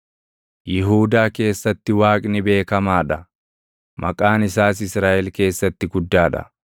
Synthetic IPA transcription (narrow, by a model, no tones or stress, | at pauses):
jɪɦuːd̪aːke̞ːsːɐt̪ːɪwaːkʼnɪbe̞ːkɐmaːᶑɐ | mʔɐkʼaːnɪsaːs̬ɪsɾaːʔɛlke̞ːsːɐt̪ːɪɡʊd̪ːaːᶑɐ̰